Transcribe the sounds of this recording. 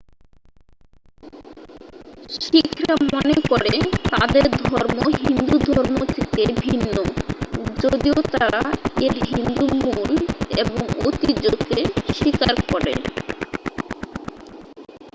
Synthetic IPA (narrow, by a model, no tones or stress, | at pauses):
ʃikʰɾamɔnekoɾet̪ad̪eɾd̪ʱɔɾmoɦind̪ud̪ʱɔɾmot̪ʰit̪ebʱinːo | d͡ʑod̪iot̪aɾaeɾɦiind̪umuleboŋo̰t̪id͡ʑokeʃikaɾkɔɾḛ